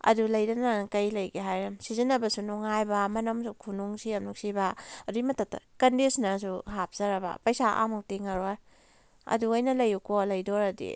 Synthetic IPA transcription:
ɐ̰dulɐjdɐnɐkɐjlɐjɡeɦajɾɐmsizinːɐbɐsunuŋajbɐmɐnɐmsukʰunuŋsiɐmnuŋsibaɐdimɐtɐtːɐ̰kɐndisnɐsuɦap̚ʰz̥ɐɾɐbɐ̰pɐjsaʔa̰mak̚tiŋaɾoj | ɐ̰duɐjnɐlɐjukʰolɐjdɔɾɐdḭ

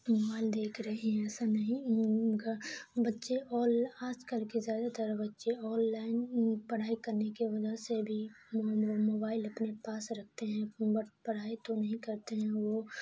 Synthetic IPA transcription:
mobaːɪld̪eːkʰɾɐɦiɦɛ̃ɛsanɐɦĩɡabɐtːʃeʔɔːlaːd͡ʒkəlkizjaːd̪at̪əɾbɐtːʃeɔːnːaːɪnpɐɽ̤aːikɐɾnekeʋɐd͡ʒasebʱi | omoːbaːɪlɐpnepaːsɾɐk̚ʰt̪eɦɛ̃bɐpɐɽ̤aːit̪onɐɦĩkɐɾt̪eɦɛ̃ʋo

